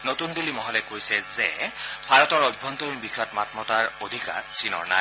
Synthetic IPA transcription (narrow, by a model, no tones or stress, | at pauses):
notundulimɔɦɔlɛkojsɛzɛbʱaɹɔtɔɹɔjbʱːɔntɔɹinbikʰɔtmatmɔtaɹodʱika̰ɹsinɔ̰ɹna̰j